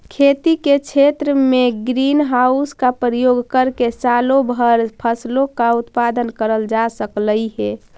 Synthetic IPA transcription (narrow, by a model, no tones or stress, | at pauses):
kʰet̪iket͡ʃʰet̪ɾəmeɡɾinɦauskapɾəjoɡkəɾkesalobʱəɾpʰəslokaut̪pad̪ənkəɾəld͡ʒasəkləiɦɛ